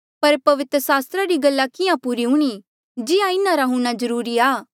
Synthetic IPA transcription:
pɐɾpɐʋɪt̪ɾəsaːst̪ɾaɾiɡɐlːakɪjãpuːɾiɦʊɽ̃i | d͡ʒɪãɪnãɾaɦʊñazɐɾuːɾiaː

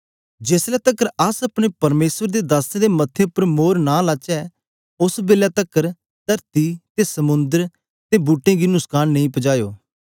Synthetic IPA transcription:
d͡ʒeːslɛːt̪əkːəɾəsɐpɽ̃eːpɐɾmeːsʋəɾd̪ed̪aːsẽd̪emɐt̪ʰːeʊpːəɾmoːɾnãːlaːt͡ʃɛː | ʊsbeːljaːt̪əkːəɾ | t̪əɾt̪it̪esəmʊ̃nd̪əɾ | t̪ebuːʈːẽːɡiːnʊkskaːnnəĩpəd͡ʒaːjo̰ː

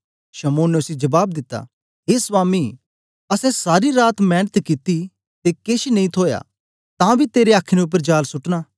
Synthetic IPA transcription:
ʃɐmoːnːɛʊsid͡ʒɐbaːb̚d̪ɪt̪ːa̰ː | ɦeːsʋaːmi | ɐsɛ̃saːɾiɾaːt̪mɛ̃ːnət̪kit̪i | t̪ekeːʃnɐ̃ɦĩt̪ʰoːja̰ | t̪ãbʱit̪eːɾeaːkʰːneʊp̬ːəɾd͡ʒaːlsʊʈnaː

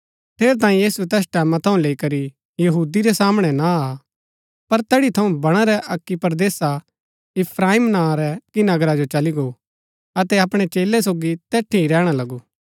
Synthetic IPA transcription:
ʈ̪ʰeːɾt̪̬ãːĩjiːsuɛt̪ɛːs̬ʈɛːmãt̪ʰɐũleːikɐɾi | jɐɦuːd̪iɾɛsaːmɽ̃ɛnaa | pɐɾt̪ɛːɽit̪ʰɐũbɐɽ̃aɾɛʔɐkːipɾd̪eːsa | ɪpʰɾaːimnãːɾɛkinɐɡɾad͡ʒot͡ʃɐliɡo | ɐt̪ɛɐpɽ̃et͡ʃeːlɛs̬oːɡit̪ɛːʈʰiɾɛːɽ̃alɐɡu

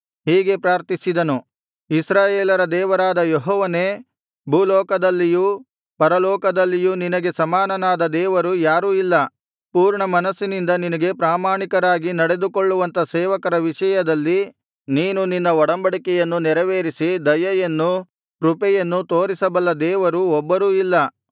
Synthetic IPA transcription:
ɦiːɡe̞pɾaːɾt̪isid̪ɐnu | isɾaːjeːlɐɾɐd̪ɛːʋɐɾaːd̪ɐjeɦɔːʋɐneː | bʱuːlɔːkɐd̪ɐlːiju | pɐɾɐlɔːkɐd̪ɐlːijuninɐɡe̞sɐmaːnɐnaːd̪ɐd̪ɛːʋɐɾujaːɾuːilːɐ | puːɾɳɐmɐnɐsːinind̪ɐninɐɡe̞pɾaːmaːɳikɐɾaːɡinɐɽe̞d̪ukoɭːuʋɐnt̪ɐsɛːʋɐkɐɾɐʋiʂɐjɐd̪ɐlːi | niːnuninːɐɔɽɐmbɐɽikɛjɐnːunɛɾɐʋeːɾisid̪ɐjɐjɐnːu | ɾupɛjɐnːut̪o̞ːɾisɐbɐlːɐd̪ɛːʋɐɾuɔbːɐɾuilːɐ

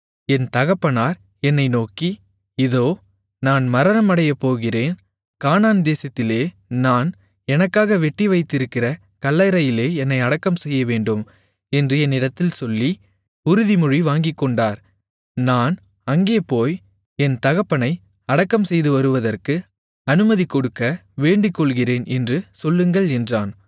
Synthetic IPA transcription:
ɛnt̪ɐɣɐpːɐnaːɾ | ɛnːɐɪnoːki | ɪðoː | naːnmɐɾɐnɐmɐɽɐjɐpːoːɣɪreːn | kaːnaːnd̪eːsɐt̪ːɪleː | naːn | ɛnɐkːaːɣɐʋɛʈːiʋɐɪt̪ːɪɾɯkːɪrɐ | kɐlːɐɪɾɐjɪleːɛnːɐɪɐɽɐkːɐmsɛjːɐʋeːɳɖɯm | ɛndrɯɛnːɪɽɐt̪ːɪlsɔlːi | ʊɾɯðimʊɻiʋaːŋɡɪkːɔɳɖaːɾ | naːn | ɐŋɡeːpoːj | ɛnt̪ɐɣɐpːɐnɐɪ | ɐɽɐkːɐmsɛjðɯʋɐɾɯʋɐðɐrkɯ | ɐnɯmɐðikːɔɽɯkːɐʋeːɳɖɪkːɔɭɣɪreːnʔɛndrɯsɔlːɯŋɡɐɭɛndraːn

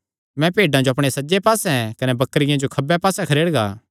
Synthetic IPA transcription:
mɛ̃peːɖãd͡ʒoɐpɽ̃esɐd͡ʒepaːsɛ̃ɛ̃kɐnɛbɐkːəɾɪjãd͡ʒokʰɐbɛpaːsɛkʰɐɾeːɽɡa̰ː

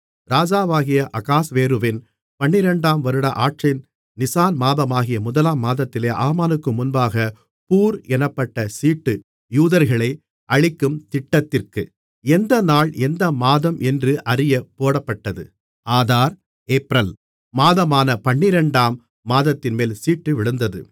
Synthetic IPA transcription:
ɾaːd͡ʒaːʋaːɣɪjɐʔɐkaːsʋeːɾɯʋɪn | pɐɳːɪɾɐɳɖaːmʋɐɾɯɽɐʔaːʈrɪn | nɪsaːnmaːðɐmaːɣɪjɐmʊðɐlaːmːaːðɐt̪ːɪleːʔaːmaːnɯkːɯmʊnbaːɣɐ | puːɾɛnɐpːɐʈːɐsiːʈːɯ | juːðɐɾɣɐɭɐɪ | ʔɐɻɪkːɯmt̪ɪʈːɐt̪ːɪrkɯ | ɛnd̪ɐnaːɭɛnd̪ɐmaːðɐmʔɛndrɯʔɐɾɪjɐpoːɽɐpːɐʈːɐðɯ̰ | aːðaːɾ | eːpɾɐl | maːðɐmaːnɐpɐɳːɪɾɐɳɖaːmː | aːðɐt̪ːɪnmeːlsiːʈːɯʋɪɭɯnd̪ɐðɯ̰

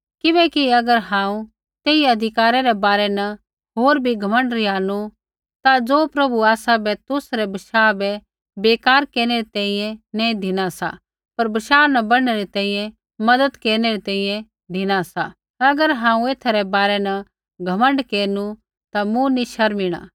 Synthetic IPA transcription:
kɪbɛːkiɐɡəɾɦãːũ | t̪eːiɐd̪ʱɪkaːɾaɾɛbaːɾɛnɐ | ɦoːɾbʱiɡʱɐmə̃ɳɖɾiaːnu | t̪ad͡zoːpɾɐbuaːsabɛt̪ʊsɾɛbɐʃaːbɛ | beːkaːɾkeːɾñeɾit̪ɛ̃ːĩjɛ̃nɛ̃ĩd̪ʱɪñasa̰ | pɐɾbɪʃaːnɐbɐɽɽ̃ɛɾit̪ɛ̃ːĩːjɛ̃ | mɐd̪əd̪keːɾneɾit̪ɛ̃ːĩjɛ̃ | d̪ʱɪñasa | ɐɡəɾɦãːũeːt̪ʰaɾɛbaːɾɛnɐ | ɡʱɐmə̃ɳɖkeːɾnu | t̪amũniʃɐɾmiɽ̃a̰ː

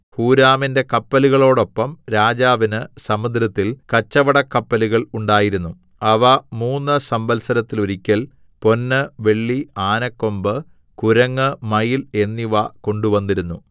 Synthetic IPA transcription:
huːɾaːminde̞kɐpːɐluɣɐɭo̞ːɽo̞pːɐmɾaːd͡ʑaːʋinɨsɐmɐd̪ɾɐt̪ːilkɐt͡ɕːɐʋɐɽɐkːɐpːɐluɣɐɭuɳɖaːjiɾunːu | ɐʋɐmuːnːɨsɐmbɐlsɐɾɐt̪ːiloɾikʲːɐl | po̞nːɨʋe̞ɭːiaːnɐkːo̞mbɨ | kuɾɐŋːɨmɐjile̞nːiʋɐko̞ɳɖuʋɐnːiɾunːu

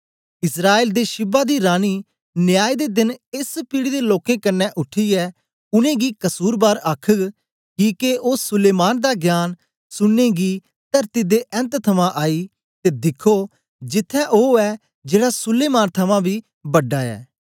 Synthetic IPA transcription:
ɪsɾaːeːld̪eʃɪbaːd̪iːɾaːniː | nɪjaːid̪eːd̪ɪnɪspiːɽid̪eloːkẽkənːɛʔʊʈʰːiːɛː | ʊnẽːɡiːkɐsuːɾbaːɾaːkʰəɡ | kiːkeoːsʊleːmaːnd̪aːɡjaːn | sʊnːeːɡiː | t̪ɐɾt̪id̪eʔɛ̃nt̪t̪ʰɐmãʔaːiː | t̪eːd̪ɪkʰːoː | d͡ʒɪt̪ʰːɛʔoːɛː | d͡ʒeːɽasʊleːmaːnt̪ʰɐmãbʱiː | bɐɖːaːɛ̰ː

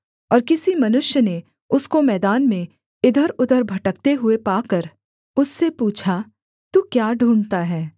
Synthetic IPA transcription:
ɔːɾkɪsimɐnʊʃjəne | ʊskomɛːd̪aːnmẽ | ɪd̪ʱəɾʊd̪ʱəɾbʱɐʈək̚t̪eɦʊepaːkəɾ | ʊsːepuːt͡ʃʰa | t̪uːkjaːɖʱuːɳt̪aɦɛː

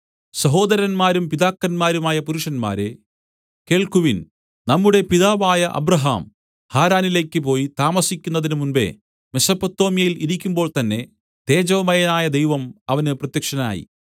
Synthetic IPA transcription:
sɐɦo̞ːd̪ɐɾɐnmaːɾumpiðaːkːɐnmaːɾumaːjɐpuɾuʂɐnma̰ːɾe | ke̞ːɭkuʋin | nɐmːuɽe̞piðaːʋaːjɐʔɐ̰bɾɐɦa̰ːm | haːɾaːnile̞ːkːɨp̬o̞ːjit̪aːmɐsikʲːunːɐðinɨmunbe̞̰ | mesɐpːɐt̪ːo̞ːmijɐjiliɾikʲːumbo̞ːɭt̪ɐnːe̞ | t̪e̞ːd͡ʑɐʋɐmɐjɐnaːjɐd̪e̞jʋɐmɐʋɐnɨprɐt̪jɐkʂɐna̰ːjḭ

